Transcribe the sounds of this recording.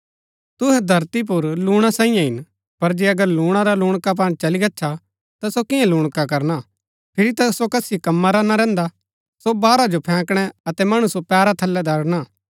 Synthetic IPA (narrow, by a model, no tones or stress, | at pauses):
t̪ʊɦɛ̃d̪ʱɐɾt̪ip̬ʊɾluːɽ̃asãːĩjãɦɪn | pɐɾd͡ʒeɐɡəɾluːɽ̃aɾaluːɽ̃kap̬aːnt͡ʃɐliɡɐːt͡ʃʰa | t̪asokɪãlʊːɽ̃kakɐɾna | pʰɪɾit̪asokɐsikɐmːaɾaːnaɾɛ̃ːnd̪a | sobaːɾad͡ʒopʰɛ̃ːkɽ̃ɛɐt̪ɛmɐɽ̃usopɛːɾat̪ʰɐlːɛd̪ɐɽnaː